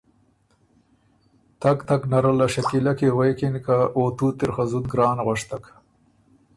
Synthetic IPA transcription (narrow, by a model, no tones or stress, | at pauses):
t̪akt̪aknaɾalaʃak̪ilakewejkinkaoːt̪ut̪ɪɾxazut̪̚ɡɾɑːnɣaʂt̪ak